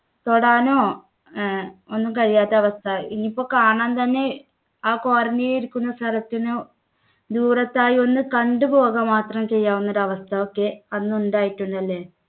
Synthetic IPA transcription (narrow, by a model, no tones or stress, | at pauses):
t̪o̞ɽaːno̞ː | onːumkɐɻijaːt̪ːeɐʋɐst̪ʰɐinːipːo̞ːkaːɳaːnt̪ɐnːe̞ | aːkoːrɐnːijeiɾukʲːunːɐst̪ʰɐɾɐt̪ːinoː | d̪uːrɐt̪ːaːjio̞nːɨkɐɳɖɨbo̞ːɣɐmaːt̪rɐmt͡ɕe̞jːaːʋunːoɾɐʋɐst̪ʰɐokːe̞ɐnːɨuɳɖaːjiʈːuɳɖɐlːe̞ː